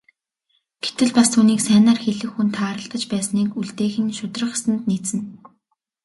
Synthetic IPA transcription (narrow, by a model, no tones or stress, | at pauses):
ɡ̥et̪ɘ̆ɮpast̪ʰuːniːksæːnaːrxeɮɘ̆xːunt̪ʰaːɾə̆ɬt̪ə̆t͡ɕpæːsniːkuɮt̪eːxɘ̆nʃʊt̪rə̆χsə̆nt̪niːt͡sɘ̆n